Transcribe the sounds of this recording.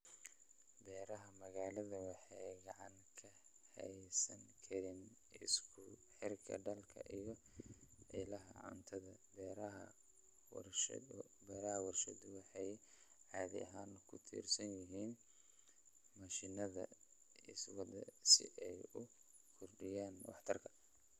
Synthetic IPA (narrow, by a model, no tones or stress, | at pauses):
bɛːɾɐɦɐmɐɣaːlɐðɐwɑħɛjɡɑʕɑŋkʰɐ | hɛ̰jsɐŋkʰɐɾɪn | ɪskʰʊħɪrkʰɐ̰ɖɐlkʰɐ̰ʔijɞ | ʕɪlɐɦɐ̰ʕʊ̰nt̪ʰɐðɐbɛɾɐ | w̰ | bɛːɾɐhɐwɐrʃɐd̪ʊwɑħɑjʕɑːðɪ̰ʔɐɦaːnkʰʊt̪ʰḭːrsɐnjɪɦiːn | mɐʃɪnɐðɐ̰ | ɪswɐd̪ɐ̰sɪ̰ʔɛjʊ | kʰʊrɖɪjaːnwɑ̰ħt̪ʰɐrkʰɐ̥